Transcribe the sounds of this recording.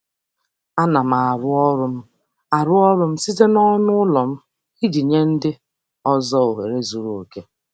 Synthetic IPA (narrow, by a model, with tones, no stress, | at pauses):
a˦na˨ma˨a˨ɾʊ˦ɾʊ˦ | a˨ɾʊ˦ɔ˦ɾʊ˦m̩˦si˦ze˦nɔ˦nʊ˦ʊ˦lɔ˨m̩˦ | i˦d͡ʒi˨ɲe˦n̩˦dɪ˦ | ɔ˦zɔ˦o˨ɦe˨ɾe˦zu˨ɾo˨o˨ke˦